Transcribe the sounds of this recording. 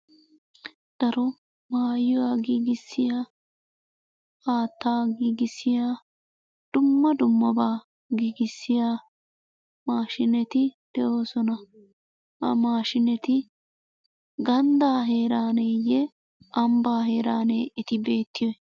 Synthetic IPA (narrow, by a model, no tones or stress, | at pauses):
d̪̥ɐɾɔ | maːjːʊwaːɡiːɡɪsːɪjaː | aːt̪ːaːɡiːɡɪsːɪjaː | d̪̥ʊmːɐd̪ʊmːɐbaː | ɡiːɡɪsːɪjaː | maːʃɪnɛt̪ɪd̪̥ɛʔo̞ːsɔnɐ | ɐ̰maːʃɪnɛt̪ɪ | ɡɐnd̪aːɦe̞ːɾaːneːjɛ | ʔɐmbaːɦe̞ːɾaːneːɪt̪ɪbe̞ːt̪ːɪjɔɛ